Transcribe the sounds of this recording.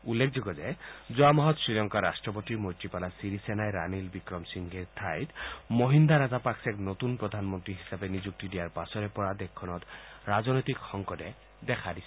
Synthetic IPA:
ulːekʰd͡ʒoɡɔzezɔamɔɦɔt̪sɹilɔŋkaɾa̰sʈɹɔpot̪imojt̪ːipalasiɾisenajɾanilbikɾɔmsiŋɡeɾt̪ʰajt̪moɦind̪aɾazapaksɛknot̪unpɾɔd̪ʱanmɔnt̪ɾiɦisabenid͡ʒuk̚t̪id̪ijaɹpasɔɾepɔɹad̪ekʰːɔnɔt̪ɾazɔnɔjt̪ikxɔŋkɔdɛ | d̪ɛkʰad̪isʰi

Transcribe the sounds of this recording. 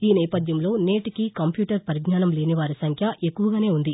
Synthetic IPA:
iːnɛːpɐd̪ʱjɐmlo̞ːneːʈikikɐmpjuːʈɐɾpɐɾiɡnaːnɐmle̞ːniʋaːɾisɐŋkʰjɐʔekːuʋɐɡaːne̞ːund̪i

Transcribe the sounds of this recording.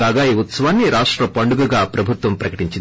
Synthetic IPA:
aːɡaːjiut̪sɐʋaːnːiɾaːʂʈɾɐpɐɳɖuɡɐɡapɾɐbʱut̪ʋɐmpɾɐkɐʈiɲt͡ʃi

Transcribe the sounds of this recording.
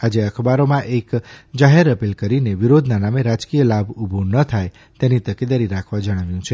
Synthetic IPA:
ad͡ʒeəkʰbaɾomãʔekd͡ʒaɦeɾəpilkəɾineʋiɾod̪ʱnanameɾad͡ʒkijəlabubʱonət̪ʰaj | t̪enit̪əked̪aɾiɾakʰʋad͡ʒəɽ̃əʋjũt͡ʃʰe

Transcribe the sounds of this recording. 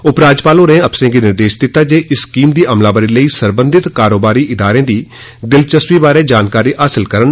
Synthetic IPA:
ʊpɾaːd͡ʒpaːlõːnẽːəpsəɾẽːɡiːnɪɾd̪eːʃd̪ɪt̪ːaːd͡ʒeːʔɪskiːmd̪iːʔəmlaːbəɾiːləiːsəɾbə̃nd̪ɪt̪kaːɾoːbaːɾiːʔɪd̪aːɾẽːd̪iː | d̪ɪlt͡ʃəswiːbaːɾeːd͡ʒaːnkaːɾiːʔaːsɪlkəɾən

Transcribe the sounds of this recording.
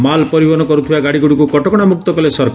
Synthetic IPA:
malpɔɾibɔnɔkɔɾut̪ʰibaɡaɽiɡuɽukukɔʈɔkɔɽ̃amuk̚t̪ɔkɔlesɔɾkʰ

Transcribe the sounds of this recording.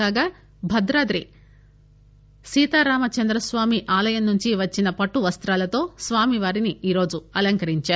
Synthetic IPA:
aːɡaː | bʱɐd̪ɾaːd̪ɾḭ | siːt̪aːɾaːmɐt͡ʃɐnd̪ɾɐsʋaːmiʔaːlɐjɐmnuɲt͡ʃiʋɐt͡ʃːinɐpɐʈːuʋɐst̪ɾaːlɐt̪o̞ːsʋaːmiʋaːɾiniiːɾo̞ːd͡ʒuɐlɐŋkɐɾiɲt͡ʃaː

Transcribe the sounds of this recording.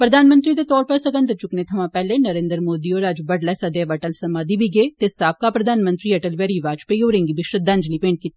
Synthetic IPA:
pɾɐd̪ʱaːnmə̃nt̪ɾid̪et̪ɔːɾpɐɾsɐɡə̃nd̪ət͡ʃʊknet̪ʰɐʋãpɛːlenɐɾẽːnd̪ɾmoːd̪ioːɾad͡ʒbɐɖlɛːsad̪eːʋɐʈəlsɐmaːd̪ibʱiɡeːt̪eːsaːp̚kapɾɐd̪ʱaːnmə̃nt̪ɾiɐʈəlʋɛɾiʋaːd͡ʒpejoːɾẽːŋɡibɪʃɾəd̪ãnd͡ʒlipeːɳʈ̚kit̪ː

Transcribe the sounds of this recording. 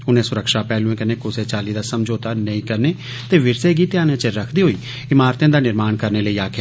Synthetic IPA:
ʊnẽːsʊɾəkʃaːpɛːlũẽːkənẽːkʊseːt͡ʃaːliːd̪aːsəmd͡ʒoːt̪aːnəĩːkəɾneː | t̪eːʋɪɾseːɡiːt̪jãːnẽːt͡ʃəɾəkʰd̪iːɦoːiː | ɪmaːɾt̪j̃ãːd̪aːnɪɾmaːɳkəɾneːləiːaːkʰː

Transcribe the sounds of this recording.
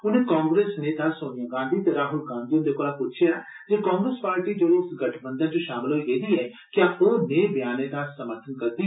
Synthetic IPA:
ʊnẽkãːŋɡɾeːsneːt̪asoːnijaːɡãːnd̪iːt̪eɾaːɦʊlɡãːnd̪iʊnd̪eːkoːlapʊt͡ʃʰjaː | d͡ʒeːkaːŋɡɾespaːɾʈiːd͡ʒoɾoɪsɡəʈʰbə̃nd̪ənt͡ʃõʃaːmɪloieːd̪iɛː | kɪaoːneːbjaːned̪asəməɾt̪ʰənkɐɾd̪i

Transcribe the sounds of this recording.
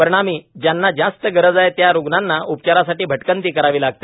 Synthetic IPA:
pəɾɳ̃amiːd͡ʑjanːad͡ʑast̪əɡəɾəd͡zajet̪jaɾuɡnanːaʔup̚t͡ɕaɾasaʈiːbʱəʈkənt̪iːkəɾaʋiːlaɡ̚t̪e

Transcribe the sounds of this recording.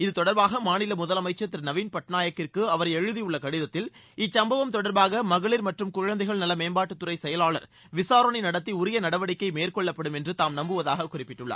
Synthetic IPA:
ɪðɯt̪ɔɽɐɾbaːɣɐmaːnɪlɐmʊðɐlɐmɐɪt͡ʃːɐt̪ːɪɾnɐʋiːnpɐʈnaːjɐkːɪrkɯɐʋɐɾɐɛɻɯðijʊɭːɐkɐɽɪðɐt̪ːɪl | ɪt͡ʃsɐmbɐʋɐmt̪ɔɽɐɾbaːɣɐmɐɣɐɭɪɾmɐʈrɯmkʊɻɐnd̪ɐɪɣɐɭnɐlːɐmeːmbaːʈːɯt̪ːʊɾɐɪsɛjɐlaːɭɐɾ | ʋɪsaːɾɐɳinɐɽɐt̪̬ːiʊɾɪjɐnɐɽɐʋɐɽɪkːɐɪmeːrkɔɭːɐpːɐɽɯmɛndrɯt̪aːmnɐmbɯʋɐðaːɣɐkʊrɪpːɪʈːɯɭːa̰ː

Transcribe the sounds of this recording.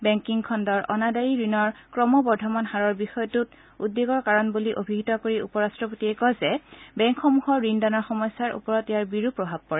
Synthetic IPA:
bɛŋkiŋkʰɔndɔɹʔɔ̰nadaɹiɹinɔɹkɹɔmɔbɔɹdʱɔmanxaɹɔɹbixɔjɔtut | udːeɡɔɹkaɹɔnbuliʔobʱiɦitɔkoɹiupɔɹastɹɔpotiɛkɔzɛbɛŋkʰxɔmuɦɔɹːindanɔɹxɔmɔjsaɹṵpɔɹɔtejaɹbiɹupɹɔbʱab̚kɔɹɛ

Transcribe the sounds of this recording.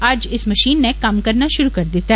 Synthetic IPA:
aːd͡ʒɪsmɐʃiːnːekɐmkɐɾnaʃʊɾukɐɾd̪ɪt̪aɦ

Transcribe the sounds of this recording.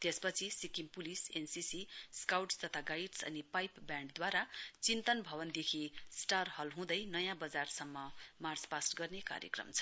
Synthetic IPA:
t̪espʌt͡sʰisikimpulisensisiskawʈst̪ʌt̪ʰaɡajʈsʌ̰nipajpbjãɳɖd̪waɾat͡sint̪ʌnbʱʌβʌnd̪ekʰisʈarhʌlɦũd̪ʌjnʌjãbʌd͡zarsʌmːʌmart͡spasʈɡʌrneka̰ɾjḛkrʌ̰mt͡sʰʌ̥

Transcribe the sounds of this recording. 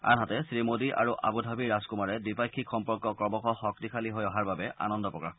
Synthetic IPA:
a̰nɦatɛsɹimodiʔa̰ɹuʔa̰budʱabiɹaskumaɹɛdipajkʰːikxɔmpɔɹkɔkɹɔbɔkɔxɔk̚t̪ikʰaliɦojɔɦaɹbabɛʔa̰nɔndɔpɹɔka

